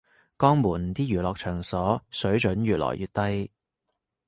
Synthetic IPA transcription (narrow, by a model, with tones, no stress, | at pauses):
kɔː˥ŋmuː˨˩n̩˨t̪iː˥jyː˨˩lɔː˧k̚t͡ʃʰœː˨˩ŋsɔː˨˥sɵ˨˥ɥt͡ʃɵ˨˥nɥyː˨t̚lɔ̰ː˨˩jʔyː˨˧t̚t̪ɐ˥j